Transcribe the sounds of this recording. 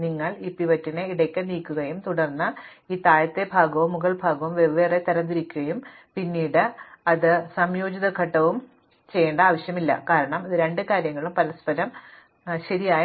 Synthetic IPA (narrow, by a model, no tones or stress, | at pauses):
niŋːɐɭipːiʋɐtːineiɽɐkʲːɐniːkːuɣɐjumt̪uɽɐrnːɨ | iːt̪aːjɐt̪ːe̞bʱaːɡɐʋumːuɣɐɭbʱaːɡɐʋumʋe̞ʋʋeːret̪ɐɾɐnd̪iɾikʲːuɣɐjumpinːiːɽɨɐðɨsɐmjo̞ːd͡ʑiðɐɡʱɐʈːɐʋum | t͡ɕe̞jːeːɳɖɐaːʋɐɕjɐmilːɐ̰kaːɾɐɳɐmiðɨɾe̞ɳɖɨkaːɾjɐŋːɐɭumpɐlɐspɐɾɐm | ɕɐɾijaːj